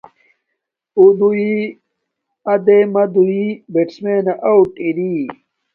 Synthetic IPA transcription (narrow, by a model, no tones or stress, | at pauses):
ud̪ui | ɐd̪emɐd̪uibeʈsmeːnaʔawʈʼiɾi